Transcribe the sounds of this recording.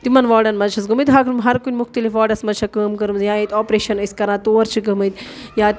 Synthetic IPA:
t̪imɐnʋaːɽɐnmɐt͡ʃʰɐsɡɐmət̪ɦɐkʰlmɦɐɾkunʲmuxt̪ɐlifʋaːɖɐsmɐt͡ʃʰɐkəːmkɐɾɨmzjaːjit̪ʲɔːpɾeːʃɐnɐsʲkɐɾãːt̪oːɾt͡ʃʰikɐmɐt̪ | jaːt̪

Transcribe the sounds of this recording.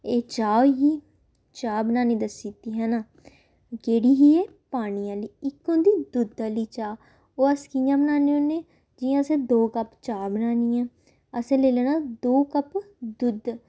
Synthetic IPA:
eːt͡ʃaːɦiː | t͡ʃaːbənaːnĩːd̪əsːiːt̪iːɦɛːnaː | keːɽiːɦiːeːpaːɽ̃iːãːliːɪkːõnd̪iːd̪ʊd̪aːliːt͡ʃaː | oːəskijãːbənaːneõːnẽː | d͡ʒɪːãːsẽːd̪oːkəpt͡ʃaːbənaːniːãː | əsẽːleːlɛːnãːd̪oːkəp | d̪ʊd̪

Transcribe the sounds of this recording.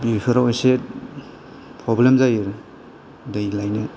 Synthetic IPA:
biɾipʰɯɾaɔjse | pʰɾɔblemzajɾ | dɯjlajne

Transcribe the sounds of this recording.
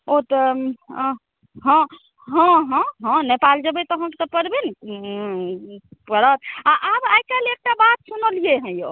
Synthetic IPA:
ot̪ə | ɦə̃ | ɦə̃ɦɔ̃ɦə̃nepald͡ʒəbɛt̪ɔɦə̃ke̥t̪ɔpəɾben | pəɾət̪aʔabajkaleek̚ʈabat̪̚sunəlijeɦə̃jo

